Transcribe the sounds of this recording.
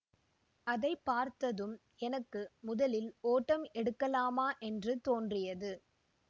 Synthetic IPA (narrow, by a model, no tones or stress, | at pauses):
ʔɐðɐɪpːaːɾt̪ɐðɯm | ɛnɐkːɯmʊðɐlɪloːʈːɐmɛɽɯkːɐlaːmaːʔɛndrɯt̪oːndrɪjɐðɯ